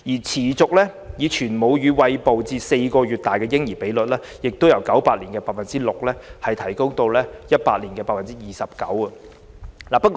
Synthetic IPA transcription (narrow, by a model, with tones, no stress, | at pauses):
jiː˨˩t͡sʰiː˨˩t͡sʊ˨k̚lɛː˥ | jiː˨˧t͡ʃʰyː˨˩nmo˨˧wjyː˨˧wɐ˧jpo˨wt͡siː˧se˧jkɔː˧ɥyː˨t̚t̪aː˨jkɛː˧jɪ˥ŋjiː˨˩pe˨˥jlɵ˨t̚lɛː˥jɪ˨k̚t̪o˥wjɐ˨˩wkɐ˨˥wpaː˧t̚liː˨˩nkɛː˧paː˧tfɐ˨nt͡siː˥lʊ˨k̚lɛː˥hɐ˨jt̪ʰɐ˨˩jkʊ˥ŋt̪o˧wlɛː˥jɐ˥t̚paː˧t̚liː˨˩nkɛː˧paː˧t̚fɐ˨nt͡si˥jiː˨sɐ˨p̚kɐ̰˨˥wɐ˧ | laː˨pɐ˥t̚k